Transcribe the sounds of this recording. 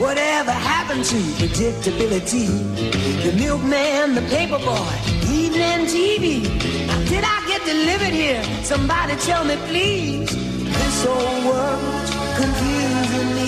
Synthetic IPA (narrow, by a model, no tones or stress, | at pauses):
wʌɾɛvə˞hæpɨ̃ntʰɨpʰɹɨdɪk̚tɨbɪlˠɨti | ɨnɪlɡ̚mæ̃nðəpʰeɪpə˞bɔɪin̩ɨ̃ntʰivinadɨɾaɪɡɛt̚d̥ɨlɪvə˞d̚hiɹ | sʌ̃mbɑɾitʰɛlˠmipʰl̥i | z̥ | ðɪsoʊwɜ˞ | t | kʰɨ̃ɱfjʉzɪ̃nmi